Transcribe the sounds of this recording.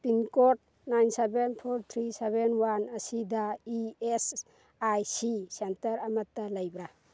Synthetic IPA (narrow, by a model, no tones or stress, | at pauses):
pinkot̚ | najnsebenpʰoɾt̪ʰɾisebenwanɐsidaies | ajsisentɐɾɐmɐtːɐlajbɾa